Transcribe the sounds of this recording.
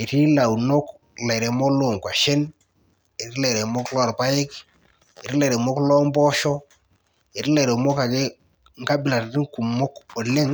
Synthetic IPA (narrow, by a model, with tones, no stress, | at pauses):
e˨ti˦la˨wno˦k | lɛ˨ɾe˨mɔ˦lo˦˨ŋ˨kwa˨ʃe˦n | e˨ti˦lɛ˨ɾe˨mo˦klɔ˦˨ɾpa˦jɪ˦k | e˨ti˦lɛ˨ɾe˨mo˦klɔ˦mbɔ˦ʃɔ˦ | e˨tɪ˦le˨ɾe˨mo˦ka˨ke˦ | ŋ˦ka˦bɪ˨la˨tti˦ŋku˨mːʊ˦ko˨lɪ˦ŋ